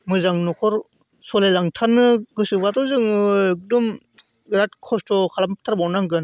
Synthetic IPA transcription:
mɯzaŋnɔkʰɔɾ | sɔlajlaŋtʰanɯɡɯsɯbatɔzɯŋɯek̚dɔm | ɡɾat̚kʰɔstɔkʰalampt̪ʰaɾbawnaŋɡɯn

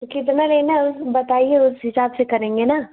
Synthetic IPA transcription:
kɪt̪̬nalenaʊsbɐt̪aːieʊsɦɪsaːbsekɐɾẽːŋɡena

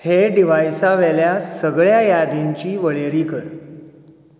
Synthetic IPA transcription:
heɖiʋajsaʋeljasəɡɭjajad̪iɲt͡ɕiːʋəɭeɾiːkəɾ

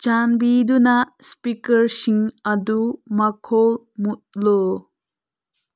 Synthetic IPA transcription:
t͡ʃanbidunaspikɐɾsiŋɐdumakʰɔl | mut̚lɔ

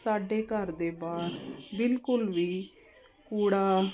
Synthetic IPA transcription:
saːɖeːkəɾd̪eːbaːɾbɪlkʊlʋiː | kuːɽaː

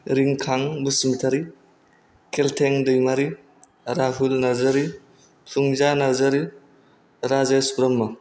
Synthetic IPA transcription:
ɾiŋkʰaŋbusimitʰaɾi | kʰeltʰeŋdɯjmaɾi | ɾaɦulnaɾzɐɾi | tʰuŋzanaɾzaɾi | ɾazesbɾɔmːɯ

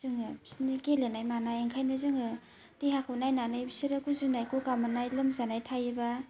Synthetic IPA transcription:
z̥ɯŋɯbsnikelenajmanajeŋkʰajnɯzɯŋɯ | tihakʰawnajnanɯjbisiɾɯkuzunajkokamanajlɯmzanajtʰajɯba

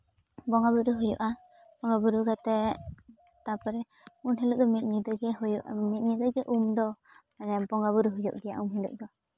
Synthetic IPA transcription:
bɔŋɡabuɾuɦɔjɔ̰ʔa | pɔŋɡabuɾuɡat̪ɛ | t̪apɛɾɛ | unɦɛluʔ̚d̪ɔmiʔ̚ɲid̪ɛɡɛhɔjɔʔmit̪̚ɲid̪ɛɡɛʔumd̪ɔ | anɛampɔŋɡaβuɾuɦɔjɔ̰ʔɡija̰ʔumhɛlṵʔd̪ɔ

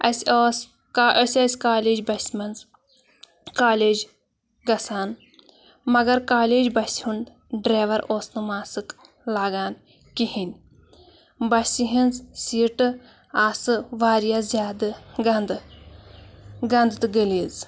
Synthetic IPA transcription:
ɐsoːs | kːɐsʲɐsʲkaːleːd͡ʒbɐsʲmɐnz | kaːleːd͡ʒ | ɡɐsaːn | mɐɡɐɾkaːleːd͡ʒbɐshun | ɖɾaːʋɐɾoːsnɨmaːsɨk | laːɡaːn | kihinʲ | bɐsʲiɦinzsiːʈɨ | aːsɨʋaːɾijaːzʲjaːd̪ɨɡɐnd̪ | ɡɐnd̪t̪ɨɡəliːz

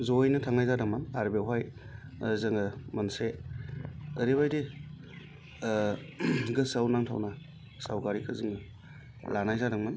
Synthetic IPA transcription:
zojnɯtʰaŋajzadɯŋmanaɾbewɦaj | zɯŋɯmɐnse | əɾibajdi | ɡɯsawnaŋtʰa̰wna | sawkaɾikʰɯzɯŋɯ | lanajzadɯŋman

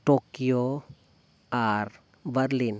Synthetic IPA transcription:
ʈokijo | aɾ | bəɾlin

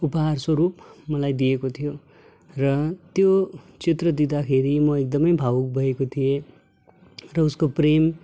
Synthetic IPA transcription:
upʌɦarswʌɾup̚mʌlajd̪ijekot̪ʰijo | rʌt̪jot͡sit̪rʌd̪id̪akʰeɾimʌek̚d̪ʌmʌjbʱawuk̚bʱʌekot̪ʰije | rʌuskoprem

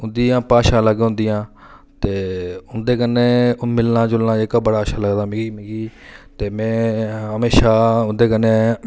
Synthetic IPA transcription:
ʊnd̪iːãːpaːʃãːləɡɦʊ̃nd̪ijãː | t̪eːʊnd̪eːkənːẽːmɪlnãːd͡ʒʊlnãːeːkabəɽaːəʃaːləɡd̪aːmɪɡiːmɪɡiːt̪eːmɛ̃ːɦəmeːʃaːʊnd̪eːkənːeː

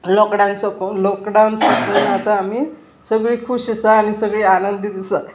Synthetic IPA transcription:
lɔkɖawnsɔklɔkɖawnsɔkunat̪ãːmi | səɡɭiːkʰuɕisaːnisəɡɭiːanənd̪id̪isa

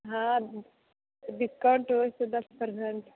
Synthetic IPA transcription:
ɦã | ɖikawɳʈost̪ed̪ɐspəɾseɳʈ

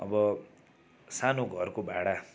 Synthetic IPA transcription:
ʌ̰bʌ | sanoɡʱʌrkobʱaɽa

